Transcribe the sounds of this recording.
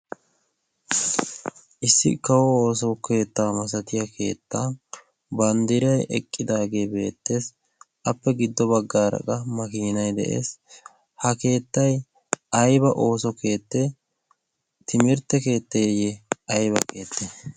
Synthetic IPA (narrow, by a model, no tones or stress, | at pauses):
ʔɪsːɪ̰kɐwɔoːsɔke̞ːt̪ːaːmɐs̬ɐt̪ɪjɐkʰe̞̰ːt̪ːaː | bɐnd̪ɪɾɐjʔɛ̰kʼːɪd̪aːɡe̞ːbe̞ːt̪ːe̞ːs | ʔɐpːɛɡɪd̪ːɔbɐɡːaːɾɐ̰kʼɐmɐkiːnɐjd̪ɛ̰ʔe̞̰ːs | hɐke̞ːt̪ːɐj | ʔɐjbɐʔo̞ːsɔke̞ːt̪ːe | t̪ɪmɪɾt̪ːɛke̞ːt̪ːɐjɛjɛɐjbɐke̞ːt̪ːɛ